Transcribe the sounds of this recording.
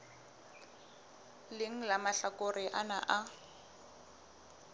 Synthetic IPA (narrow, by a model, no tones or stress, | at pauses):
lɪŋ̩lamaɬakorɪʔanaʔa